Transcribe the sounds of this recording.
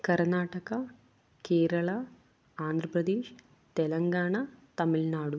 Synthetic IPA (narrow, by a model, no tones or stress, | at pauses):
kɐɾnaːʈɐkɐ | keːɾɐɭɐ | aːnd̪ʱɾɐpɾɐd̪eːʃ | t̪elɐŋɡaːɳɐt̪ɐmilnaːɽu